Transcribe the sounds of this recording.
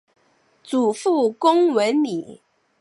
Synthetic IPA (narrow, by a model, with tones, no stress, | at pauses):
t͡su˨˩fu˥˩kʊ˥ŋwə˧˥nli˨˩˦